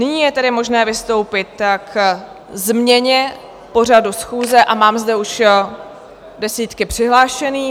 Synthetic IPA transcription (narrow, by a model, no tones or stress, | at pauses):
nɪɲiːjɛt̪ɛdɪmo̞ʒnɛːvɪst̪o̞wpɪt̪k | zmɲɛɲɛ | po̞r̝adusxuːzɛʔamaːmzdɛuʃ | dɛsiːt̪kɪpr̥ɪɦlaːʃɛniː